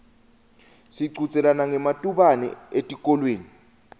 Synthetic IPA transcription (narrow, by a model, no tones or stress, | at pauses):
siǀut͡sʼɛlanaŋɛmatʼuɓanɛ̰etʼikʼɔlweːni